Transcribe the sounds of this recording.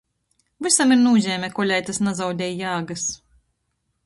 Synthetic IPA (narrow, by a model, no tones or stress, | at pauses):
vɨsamiɾnuːzʲɛːmʲɛkɔlʲajt̪asnazawd̪ʲɛjjaːɡas